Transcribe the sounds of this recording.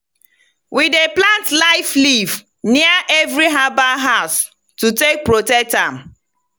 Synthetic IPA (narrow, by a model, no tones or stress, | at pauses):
wideplãntlaɪfliv | niaʔɛvɾiɦabaɦaʊs | tutek̚pɹotɛk̚tam̩